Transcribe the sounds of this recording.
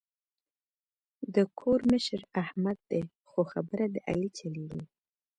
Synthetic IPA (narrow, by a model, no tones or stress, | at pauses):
d̪əkʰoɾməʃɾahmad̪̚ːe | xoxabəɾad̪əʔa̰lit͡ʃaleɡi